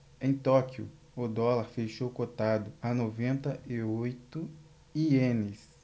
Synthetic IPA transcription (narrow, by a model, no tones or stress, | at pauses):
ẽj̃t̪ɔkjʊ̰ | ʊd̪ɔlaɾfeʃowkot̪ad̪ʊanovẽnt̪ɐiojt̪ʊ | iẽnɪs